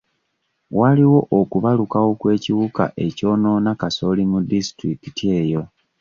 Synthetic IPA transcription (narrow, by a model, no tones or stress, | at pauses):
waliwo̞ʔokuβalukawo̞kwe̞ːciβuka̰ʔe̞co̞ːno̞ːnakaso̞limudistɾikitie̞ːjo̞